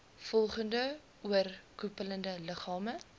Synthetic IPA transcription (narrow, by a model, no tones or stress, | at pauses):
fɔlˠχəndə | uərkupələndələχɑːmə